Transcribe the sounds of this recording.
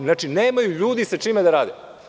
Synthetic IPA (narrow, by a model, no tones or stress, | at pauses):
naːt͡ʃineːmajuʎuːd̪isat͡ʃiːmed̪aɾaːd̪e